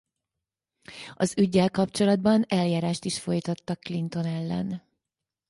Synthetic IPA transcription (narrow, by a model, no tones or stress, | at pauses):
ɒzyɟːɛlkɒpt͡ʃo̞lɒd̪̚bɒnɛljaːɾaːʃt̪iʃfo̞jt̪ɒt̪ːɒkːlint̪o̞nɛlːɛ̰n